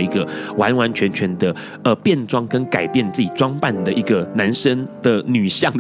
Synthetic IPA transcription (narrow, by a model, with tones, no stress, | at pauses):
i˧˥ɡə˧wa˧˦nwa˧˦nt͡ɕʰɥɛ˧˥nt͡ɕʰɥɛ˧˥nd̪ə˧ | ə˧pjɛ˥˩nʈ͡ʂwɑ˥ŋkə˦nka˨˩ɪpjɛ˥˧nt͡sɹ̩˥˩t͡ɕi˨˩t͡swɑ˥ŋpa˥˩nd̪ə˩i˧˥ɡə˨na˧˦nʂə˦ŋd̪̥ə˨ny˨˩ɕjɑ˥˩ŋd̪